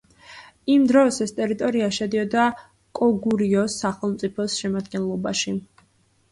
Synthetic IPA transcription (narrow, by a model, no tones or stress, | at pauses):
imd̪ɾɔsɛst̪ʼɛɾit̪ʼɔɾiaʃɛd̪iɔd̪a | kʼɔɡuɾiɔsaχɛlˠmt̪sʼipʰɔsʃɛmad̪ɡɛnlˠɔbaʃi